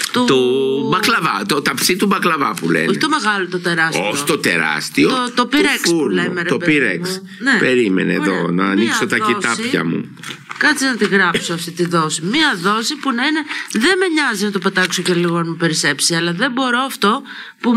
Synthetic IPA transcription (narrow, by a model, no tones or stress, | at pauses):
t̪ot̪obɐklɐvɐt̪ot̪ɐpsit̪ubɐklɐvɐpulḛnoç̥t̪ome̞ɣɐlot̪ot̪e̞ɾɐsoçt̪ot̪e̞ɾɐ̰st̪iot̪opiɾeksuuɾlemeɾet̪oeiɾḛmkus | nepe̞ɾimḛnḛːðo̞̰nɐːnikɐso̞t̪ɐit̪ɐspçɐ̰mṵ | kɐt͡siznɐt̪iɣɾɐpsoɐft̪it̪iðo̞simiɐðo̞sipunɐine̞ðe̞meɲɐzinɐt̪o̞pet̪ɐksoceliɣonɐmupe̞ɾise̞psiɐlɐðe̞bo̞ɾo̞ɐft̪o̞ | pu